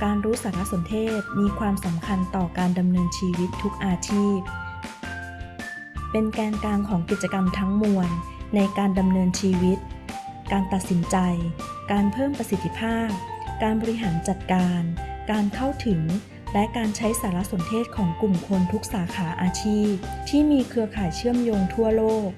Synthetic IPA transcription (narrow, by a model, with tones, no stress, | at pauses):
kaː˧nɾuː˦˥saː˩˦ɾa˦˥so˩˦nt̪ʰeː˥˩t̪̚miː˧kʰwaː˧msa˩˦mkʰa˧nt̪ɔː˨˩kaː˧nda˧mnɤː˧nt͡ɕʰiː˧wi˦˥t̪ʰːu˦˥k̚ʔaː˧t͡ɕʰiː˥˩p̚ | pe˧nkɛː˧nkaː˧ŋkʰɔː˩˦ŋki˨˩t̪̚t͡ɕa˧ka˧mt̪ʰa˦˥ŋmu˧ənːa˧jkaː˧nda˧mnɤː˧nt͡ɕʰiː˧wi˦˥t̪̚ | kaː˧nt̪a˨˩t̪̚si˩˦nt͡ɕa˧jkaː˧npʰɤː˥˩mpɾa˧si˨˩t̪ʰːi˦˥pʰaː˥˩p̚kaː˧nbɔː˧ɾi˦˥ɦaː˩˦nt͡ɕa˨˩t̪̚kaː˧nkaː˧nkʰa˥˩wt̪ʰɯ˩˦ŋ | lɛ˦˥kaː˧nt͡ɕʰa˦˥jsaː˩˦la˦˥ʔso˩˦nt̪ʰeː˥˩t̪̚kʰɔː˩˦ŋklu˨˩mkʰo˧nt̪ʰu˦˥k̚saː˩˦kʰaː˩˦ʔaː˧t͡ɕʰiː˥˩p̚t̪ʰiː˥˩miː˧kʰɯ˧ɐkʰaː˨˩jt͡ɕʰɯ˥˩əmjoː˧ŋt̪ʰu˥˩ɐloː˥˩k̚